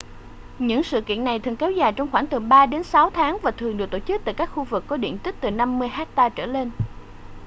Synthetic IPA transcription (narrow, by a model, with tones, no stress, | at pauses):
ɲɨ̰˧˥ŋsɨ̰˧˨kḭ˧˨ənːa˨˩jt̪ʰɨ˨˩ŋkɛ˨˦wzaː˨˩jt͡ɕɔ˧wŋ͡mxwaː˧˩ŋt̪ɨ˨˩ɓaː˧ɗe˨˦nsa˨˦wt̪ʰaː˨˦ŋvaː˨˩t̪ʰɨ˨˩əŋɗɨ˨˩k̚t̪o̰˧˩t͡ɕɨ˦˥k̚t̪a̰ː˧˨jkaː˦˥k̚xu˧vɨ˨˩kːɔ˨˦ɗḭ˧˨ənt̪ï˦˥k̚t̪ɨ˨˩na˧mːɨ˧əjɦɛ˦˥k̚t̪aː˧t͡ɕəː˧˩le˧n